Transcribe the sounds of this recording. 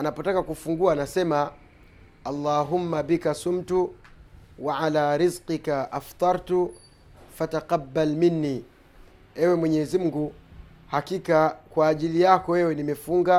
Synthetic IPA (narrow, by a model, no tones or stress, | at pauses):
anapɔtakakufuŋɡuaːnasɛma | ɑlˤːaːɦumːabikasum̩tu | waʕalaːɾizqikaʔaft̪ˤɑɾˤtu | fataqɑbːalminːiː | ɛwɛmwɛɲɛzim̩ɡu | hakikakwaːʄilijakɔwɛwɛnimɛfuŋɡa